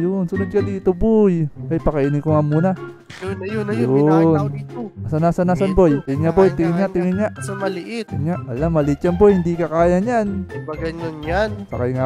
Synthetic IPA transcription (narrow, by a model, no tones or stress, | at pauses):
jʊnsʊnʊd̪̚kad̪it̪obojkajpakaiːnɪkoŋamuna | jjʊjʊnʔasanasanasanbojɲabojt̪ɪŋɪɲaʔt̪ɪŋɪɲaʔsamɐlɪʔɪtɪɲaʔwalamɐlit͡ʃambojhɪnd̪ikakaːjaɲanbaɡaɲʊnɲansɐkajŋa